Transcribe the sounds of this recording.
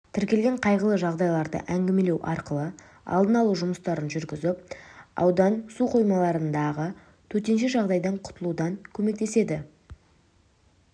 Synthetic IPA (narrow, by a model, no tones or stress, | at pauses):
t̪ʰɪɾkʲe̞lɡʲe̞ɴqʰɑjʁəlˠəʒɑʁd̪ɑjlˠɑɾd̪ə̰ʔæŋɡʲɪme̞lewʔɑ̰ɾqəlˠə | ɑ̰lˠd̪ənɑlˠuʒʊməst̪ɑɾənʒʏɾɡʲɪzɪp̚ɑ̰wd̪ɑnsuqʰo̞jmɑlˠɑɾənd̪ɑʁə | t̪ʰɵt̪e̞nʃeʒɑʁd̪ɑjd̪ɑɴqʰʊ̥t̪əlˠud̪ɑŋkʲʰɵme̞kt̪e̞se̞d̪ɪ